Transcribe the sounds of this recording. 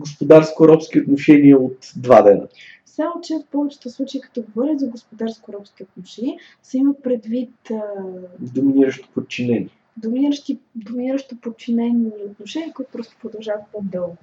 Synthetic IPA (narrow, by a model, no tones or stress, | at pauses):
ɡospod̪aɾskoɾɔpskʲiot̪noʃɛniəot̪d̪vad̪ɛnə̰ | fsaot͡ʃɛot̪pɔvɛt͡ʃɛ̥t̪əslˠut͡ʃeikɐ̥t̪ɔɡovɔɾizɐɡospod̪aɾskoɾɔpsk̟ʲiot̪noʃɛnʲiə | sɛiməpɾɛd̪vit̪ː | d̪ominiɾəʃt̪o̥pot̪̚t͡ʃinɛnʲiɛ | d̪ominiɾəʃt̪id̪ominiɾəʃt̪opot̪̚t͡ʃinɛniot̪noʃɛniəkoit̪ʊ̥pɾɔst̪o̥pɾod̪ɐlˠʒavət̪od̪ɛlˠ